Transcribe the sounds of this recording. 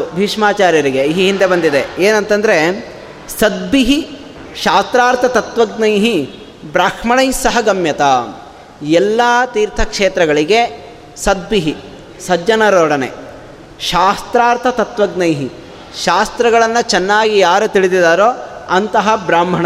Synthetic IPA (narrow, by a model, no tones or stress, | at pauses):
bʱiːʂmaːt͡ʃaːɾjɐɾiɡeiɦiɦind̪e̞bɐnd̪id̪eeːnɐnt̪ɐnd̪ɐɾe̞ | sɐd̪̚biɦi | ʃaːst̪ɾaːɾt̪ʰɐt̪ɐt̪ʋɐɡnɐjɦi | bɾaːkʂmɐɳɐjsɐɦɐɡɐmjɐt̪aː | ɛlːaːt̪iːɾt̪ʰɐkʂeːt̪ɾɐɡɐɭiɡe̞ | sɐd̪̚biɦi | sɐd͡ʒɐnɐɾoːɽɐnḛ | ʃaːst̪ɾaːɾt̪ʰɐt̪ɐt̪ʋɐɡnɐjɦi | ʃaːst̪ɾɐɡɐɭɐnːɐt͡ʃɛnːaːɡijaːɾut̪iɭid̪id̪aːɾoːɐnt̪ɐɦɐbɾaːmbʱɐɳ